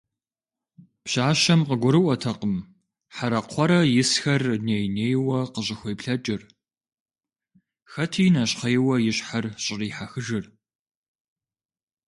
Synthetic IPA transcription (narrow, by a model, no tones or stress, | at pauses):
pɕaːɕɐmqəɡʷʊɾɨʔʷɔtʰɐqəm | ħaɾɐqʷʰɔɾɐjɪsxɐrneːjneːjwɐqəɕ̬ʼɪxʷɔjpɬɐt͡ʃʼɪr | xɐtʰiːnɐɕχejwɐjɪɕħarɕʼɪriːħaxɨʐɨr